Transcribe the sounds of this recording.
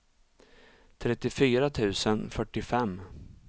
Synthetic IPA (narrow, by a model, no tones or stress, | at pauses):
t̪ʰɾɛt̪ːɪfyːɾat̪ʰʉ̟ːsənfœʈːɪfɛmː